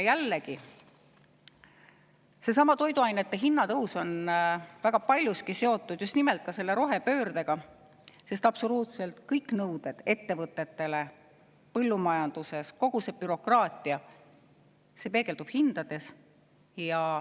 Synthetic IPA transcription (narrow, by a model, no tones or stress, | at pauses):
jælːeki | se̞s̬ɑmɑt̪o̞jd̪uɑjnet̪ːe̞ɦinːɑt̪ɤwso̞nvæɡ̥ɑpɑlʲjuskise̞o̞t̪ːˑud̪̥just̪nimelt̪̚ˑkɑse̞lːe̞ɾo̞ɦe̞pø̞ːɾd̪eɡ̥ɑ | se̞st̪ɑpso̞luːt̪selt̪kɤjkˑnɤwd̪̥e̞d̪̥e̞t̪ːe̞vɤt̪ːˑe̞t̪ːe̞le̞ | pɤlːumɑjɑnd̪̥use̞sko̞ɡ̥use̞b̥yɾo̞krɑːt̪ˑiɑ | se̞pe̞ːɡ̥e̞ld̪ub̥hind̪̥ɑd̪̥e̞s | jɑ